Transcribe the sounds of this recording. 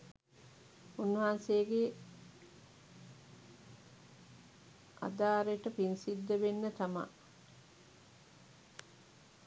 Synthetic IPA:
unːɐɦansejəɡe | a̰d̪aːɾeʈəpinsid̪ːəʋenːət̪ama̰

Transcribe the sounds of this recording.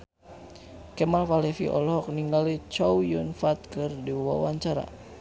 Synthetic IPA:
kɛmafalɛfḭʔɔ̰lɦɔk̚niŋɡalit͡ʃɔwjunfat̪̚kɨrdiwa̰waɲt͡ʃaɾa̰

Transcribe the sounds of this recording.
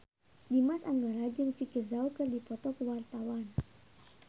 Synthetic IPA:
dimasaŋɡaɾad͡ʒɨŋfikəzawkɨrdipɔt̪ɔkəwart̪awan

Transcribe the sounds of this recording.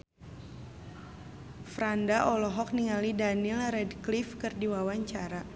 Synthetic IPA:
fɾandaʔɔlɔɦɔk̚niŋalidanilrɛdklifkɨrdiwawaɲt͡ʃaɾa

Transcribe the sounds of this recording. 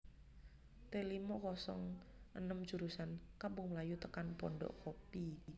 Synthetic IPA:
t̪elimɔkɔsɔ̰ŋʔənəmd͡ʒuɾusankambuŋmlajut̪əkanpɔɳɖɔ̰ʔkopi

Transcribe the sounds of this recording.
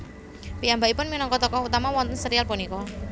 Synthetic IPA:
piambaʔipʊnminɔŋkɔt̪ɔkɔhut̪amawɔnt̪ənsəɾialpunikɔ

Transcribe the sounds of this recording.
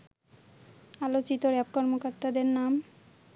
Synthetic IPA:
alot͡ɕit̪oɾɛbkɔɾmokoɾt̪ad̪eɾnam

